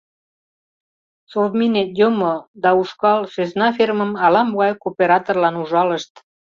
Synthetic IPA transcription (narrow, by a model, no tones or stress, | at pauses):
sord̪minet̪jomod̪ɑuʃkɑlʃøznɑfirməmɑlɑmbɑjkopeɾɑt̪orlɑnuʒɑləʃt̪